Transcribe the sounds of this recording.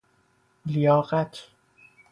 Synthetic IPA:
lijɒːɣæt̪ʰ

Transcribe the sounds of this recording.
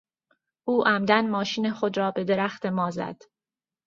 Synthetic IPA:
ʔuːʔæmd̪ænmɒːʃiːnexod̪ɾɒːbe̞d̪e̞ɾæxt̪e̞mɒːzæ̰d̪̥

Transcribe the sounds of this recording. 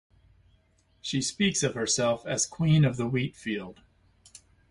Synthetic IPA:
ʃispiksʌv̥hə˞sɛlˠfɨz̥kʰw̥ĩnʌvðəwitfilˠd̥

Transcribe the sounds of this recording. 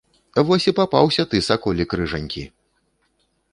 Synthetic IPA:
vɔsʲipapa̰wsʲɐt̪ɨsakɔlʲikɾɨʐɐnʲkʲḭ

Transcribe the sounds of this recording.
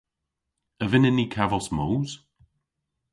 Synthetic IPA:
əvɪnɪnːikʰavɔsmowz̥

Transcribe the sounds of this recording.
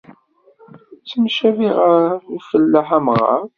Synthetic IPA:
t͡sːəmʃæviʁəifəlːəħamʁɑ̰

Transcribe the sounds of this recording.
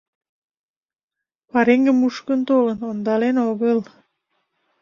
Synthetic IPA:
pɑɾeŋɡə̆muʃkənt̪olə̆nond̪ɑlenoɣəl

